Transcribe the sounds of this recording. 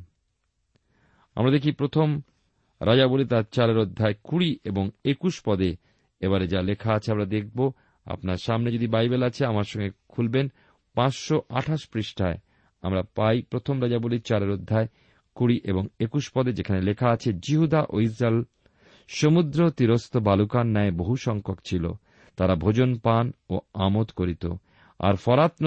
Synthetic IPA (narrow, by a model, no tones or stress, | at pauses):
a̰mɾad̪ekʰipɾot̪ʰom | ɾʔad͡ʑabolit̪aɾt͡ɕaɾeɾod̪ʱːaekuɾiʔeboŋekuʃpɔd̪e | eβaɾed͡ʑalekʰaat͡ɕʰeamɾad̪ek̚ʰbo | a̰pnaɾʃamned͡ʑod̪ibajbelat͡ɕʰeamaɾʃɔŋɡekʰulben | pãt͡ɕʃoʔaʈʰaʃpɾiʃʈʰae | a̰mɾapajpɾot̪ʰomɾad͡ʑaboliɾt͡ɕaɾeɾod̪ʱːae | kuɾiʔeboŋekuʃpɔd̪ed͡ʑekʰanelekʰaat͡ɕʰed͡ʑiɦud̪aʔois̬ɾael | ʃomud̪ɾot̪iɾost̪obalukanːɛeboɦuʃɔŋkʰokt͡ɕʰilo̰ | t̪aɾabʱod͡ʑonpanoamot̪koɾit̪o̰ | a̰ɾfɔɾat̪n